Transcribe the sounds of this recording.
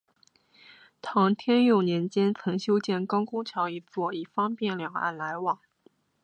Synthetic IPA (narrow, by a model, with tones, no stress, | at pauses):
t̪ʰɑ˧˥ŋt̪ʰjɛ˥njo˥˩ʊnjɛ˧˥nt͡ɕjɛ˥nt͡sʰɤ˧˥ŋɕjo˥ʊt͡ɕjɛ˥˩nkɑ˥ʊkʊ˥ŋt͡ɕʰjɑ˧˥ʊi˧˥t͡swɔ˥˩i˨˩fɑ˥ŋpjɛ˥˩nljɑ˨˩ŋa̰˥˩nla˧˥ɪwɑ˨˩˦ŋ